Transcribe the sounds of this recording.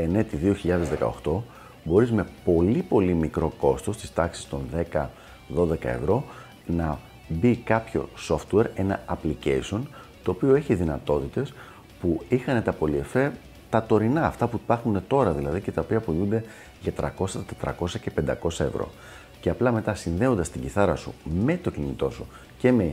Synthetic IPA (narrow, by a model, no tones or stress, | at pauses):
e̞ne̞t̪iðio̞çiʎɐðe̞zðe̞kɐ̰o̞xt̪o̞ | bo̞ɾizme̞po̞lipo̞limikɾo̞ko̞st̪o̞st̪i̥st̪ɐksi̥st̪o̞nðe̞kɐ | ðo̞ðe̞kɐ̰e̞̰vɾo̞ | nɐ | bikɐpço̞̰so̞ft̪ueɾe̞nɐɐplice̞̰isio̞nt̪o̞ːpio̞e̞çiðinɐt̪o̞t̪it̪e̞s | puixɐne̞t̪ɐpo̞lie̞fe | t̪ɐt̪o̞ɾinɐ̰ːft̪ɐpuipɐɾxune̞t̪o̞ɾɐðilɐðice̞t̪ɐo̞piɐpolund̪e̞ | ʝɐt̪ɾɐko̞sɐt̪et̪ɾɐ̰ko̞sɐce̞pe̞nd̪ɐko̞sɐe̞̰vɾo̞̰ | ce̞ɐplɐme̞t̪ɐsinðe̞o̞nd̪ɐst̪iɟiθɐɾɐsṵme̞t̪o̞cinit̪o̞su | ce̞me̞